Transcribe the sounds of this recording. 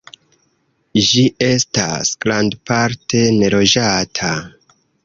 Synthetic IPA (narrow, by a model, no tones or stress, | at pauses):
d͡ʒiʔe̞sta̰sɡ̥landpaɾtʰe̞ne̞lo̞d͡ʒatʰa